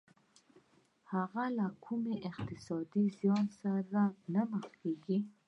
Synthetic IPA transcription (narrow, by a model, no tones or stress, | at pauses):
haɣalakʰʊmeʔɪqt̪ɪsɑd̪izjɑnsaɾanaməxkeɡi